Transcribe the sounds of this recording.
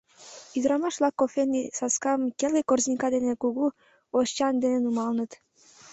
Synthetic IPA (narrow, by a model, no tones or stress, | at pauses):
yd̪ɾɑmɑʃlɑkːofenisɑskɑmkelɡekorznʲikɑd̪enekuɣu | oʃt͡ɕɑnd̪enenumɑlnət̪